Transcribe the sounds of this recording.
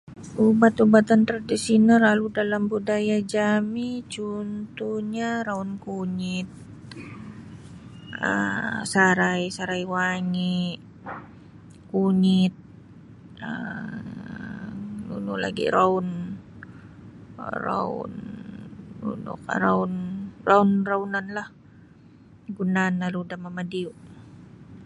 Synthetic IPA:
ʔubat̪ubat̪ant̪ɾadisinəraludalambudajad͡ʒamit͡ʃunt̪uɲaɾaunkuɲit̪̚ | ə̰saɾajsaɾajwaŋi | kuɲit̪̚ | ə | nṵnula̰ɡḭɾaʊn | ra̰ṵn | ṵnṵka̰ɾaunraunraunanlah | ɡunanlaludahmamadiuʔ

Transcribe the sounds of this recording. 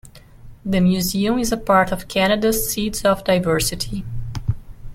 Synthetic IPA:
ðɨmjʉziə̃mɪzəpaɹtʌv̥kʰænɨdəzitsɔvdaɪvɜ˞sɨtʰi

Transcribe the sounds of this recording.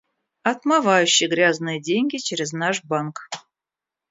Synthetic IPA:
ɐt̪mavajʉɕːɪjɡɾʲaznɨjədʲenʲɡʲit͡ɕeɾʲɪznaʂbank

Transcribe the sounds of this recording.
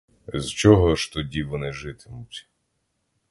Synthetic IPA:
zt͡ʃɔɦɔʃt̪ɔdʲiʋɔnɪʒɪt̪ɪmʊtʲ

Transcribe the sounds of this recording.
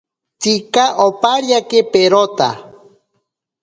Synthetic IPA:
t͡sikaʔopaɾjakepeɾot̪a̰

